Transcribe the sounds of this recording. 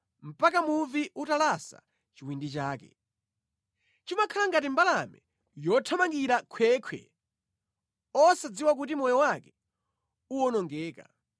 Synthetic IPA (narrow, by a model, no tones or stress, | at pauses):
m̩pakamuviutalasa̰ | t͡ʃiwindit͡ʃaːkɛ̰ | t͡ʃimakʰalaŋɡat̬imbalamɛ | jɔtʰamaŋɡiɾakʰwɛːkʰwɛ̰ | ɔsad͡ziwak̬ut̬imɔjɔwakɛ̥ | uwɔnɔŋɡɛːka̰